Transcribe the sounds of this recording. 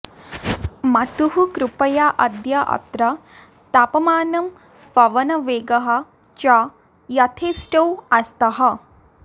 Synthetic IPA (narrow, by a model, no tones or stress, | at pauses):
mɐt̪uɦukɾupɐjaʔɐd̪jɐʔɐ̰t̪ɾɐ | t̪apɐmaːnɐm | pɐʋɐnɐʋeːɡɐɦɐ̆ | t͡ʃa | jɐt̪ʰeːsʈɐwɐst̪ɐɦɐ